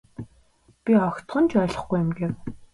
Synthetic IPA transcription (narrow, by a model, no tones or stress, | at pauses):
pʲiɔxʲt̪ɢɞ̆nt͡ɕʰœːɮɞ̆χɡujɪmɡew